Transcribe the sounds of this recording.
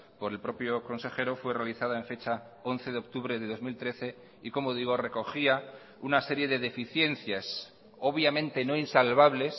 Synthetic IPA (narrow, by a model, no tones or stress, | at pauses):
po̞ɾe̞lpɾo̞pjo̞ko̞nse̞xe̞ɾo̞fwe̞realiθaðaeɱfe̞t͡ʃa | o̞nθe̞ðeok̚t̪uβɾe̞ðeðo̞zmilt̪ɾe̞θe̞ | iko̞mo̞ð̞iɣ̞o̞re̞ko̞xia | unase̞ɾje̞ðe̞ðe̞fiθje̞nθjas | o̞βjamẽ̞nt̪e̞no̞insalβaβle̞s